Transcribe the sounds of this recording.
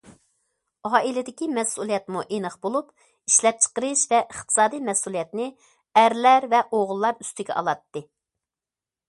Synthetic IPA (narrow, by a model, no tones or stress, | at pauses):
ɑːʔilɪd̪ɪkʲimɛsulˠijɛt̪muʔenəχbolˠup | iʃlɛp̚t͡ʃʰə̥qəɾɨʃvɛʔəχt̪ʰɨ̥sɑːd̪ijmɛsulˠijɛt̪nɪ | æɾlæɾvɛʔoʁʊlˠːɑɾy̥st̪ɪɡʲɛ̰ʔɑ̰lˠɑt̪ːɨ